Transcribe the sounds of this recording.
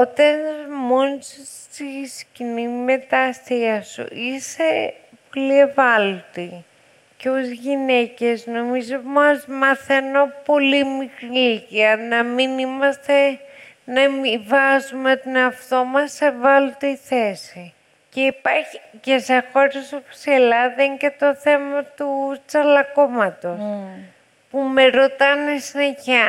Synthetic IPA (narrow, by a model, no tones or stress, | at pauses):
ot̪ɐnmons | t̪iscinime̞t̪ɐsθiɐsṵʔise | polievɐlt̪i | ceozʝine̞ce̞zno̞mizomɐzmɐθeno̞po̞limikɾilitiɐnɐminimɐst̪e̞ | nɐmivɐzumet̪oneɐft̪o̞mɐsːe̞vɐlut̪eiθesi | ce̞ipɐɾçice̞sexo̞ɾesopo̥selɐðɐiɲce̞t̪o̞θe̞mɐt̪ut͡sɐlɐko̞mɐt̪o̞s | pume̞ɾo̞t̪ɐnesineçɐ